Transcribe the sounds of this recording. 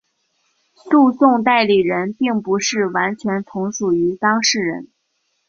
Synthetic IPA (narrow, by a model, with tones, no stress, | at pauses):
su˥˧sʊ˥˧ŋt̪̬a˥˩ɪli˨˩ɻə˧˥npi˥˩ŋpu˧˥ʂɻ̩˥˩wa˧˥nt͡ɕʰɥɛ˧˥nt͡s̪ʰʊ˧˥ŋʂu˨˩y˧˥t̪ɑ˥ŋʂɻ̩˥˩ɻə̰˧˥n